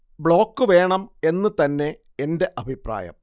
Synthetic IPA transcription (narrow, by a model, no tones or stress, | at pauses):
bɭo̞ːkːɨʋe̞ːɳɐme̞nːɨt̪ɐnːe̞ | ende̞ʔɐbʱipra̰ːjɐ̰m